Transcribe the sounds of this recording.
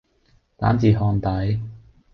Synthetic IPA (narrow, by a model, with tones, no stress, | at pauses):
t̪a̰ː˨˥nt͡siː˨˩ɦɔː˧nt̪ɐ˨˥j